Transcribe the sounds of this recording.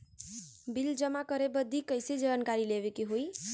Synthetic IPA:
bild͡zʌmakʌɾebʌd̪ʱːikʌjsid͡zʌbankaɾilebekeɦoj

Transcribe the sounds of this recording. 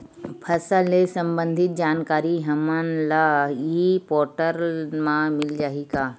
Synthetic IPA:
pʰɐsəlesɐ̃mbə̃nd̪ʱɪt̪̚d͡ʒaːnkaːɾiɦɐmənlaipɔːʈəɾmãmɪld͡ʒaːɦikaː

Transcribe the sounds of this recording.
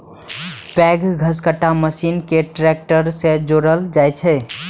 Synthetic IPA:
pɛɡɡʱəskəʈːaməsinkeʈɾɛk̚ʈəɾsẽd͡ʒoɽəld͡ʒajt͡ʃʰɛ

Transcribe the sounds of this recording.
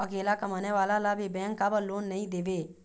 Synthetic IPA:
əkeːlakəməneʋaːlalabʱibɛ̃ːŋkkːabəloːnːəĩd̪eːbe

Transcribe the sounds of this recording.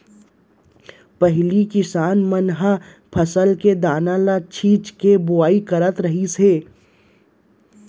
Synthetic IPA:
pɐɦlikɪsaːnmənɦa | pʰəsəlked̪aːnãlat͡ʃʰiːt͡ʃkebʊaːikɐɾət̪ɾɐɦiseː

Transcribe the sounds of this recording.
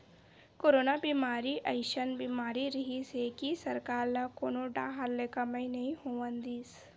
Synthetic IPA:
koːɾoːnabiːmaːɾiʔəɪʃənbiːmaːɾiɾɐɦisɦekisɐɾkaːɾlakoːnoɖaɦaɾlekaməĩnɐɦĩhoːʋə̃nd̪iːs

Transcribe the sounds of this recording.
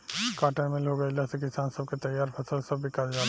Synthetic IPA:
kaʈamelɦoɡajlasɛk̬isansɔbket̪əjaɾpʰasəlsɔbːikaɹzan

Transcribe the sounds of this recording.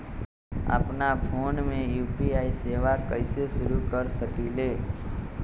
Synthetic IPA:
ə̰pnapʰoːnmẽjuːpiaːiseʋakəɪseʃʊɾukəɾsəkileː

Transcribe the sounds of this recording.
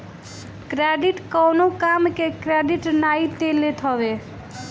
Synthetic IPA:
kɾeɖiʈkɔwnokamkekɾeɖiʈnait̪elet̪ɦɔβe

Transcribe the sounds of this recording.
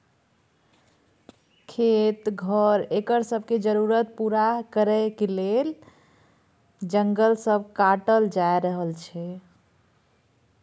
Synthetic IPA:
kʰet̪ɡʱəɾekəɾsəbʱked͡ʒəɾuɾət̪̚puɾakəɾəɪkelel | d͡ʒəŋɡəlsəbʱkaʈəld͡ʒaeɾəɦəlt͡ʃʰɛ

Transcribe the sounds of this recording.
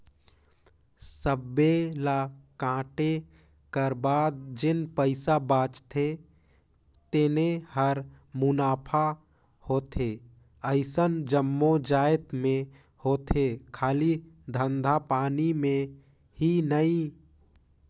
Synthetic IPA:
səbːelakãːʈe | kəɾbaːd̪̚d͡ʒɪnpəɪsabãːt͡ʃt̪ʰe | t̪enehəɾ | mʊnaːpʰa | hoːt̪ʰe | əɪsənd͡ʒəmːod͡ʒaːɪt̪mẽ | hoːt̪ʰekʰaːlid̪ʱə̃nd̪ʱapaːnimẽ | hinəĩ

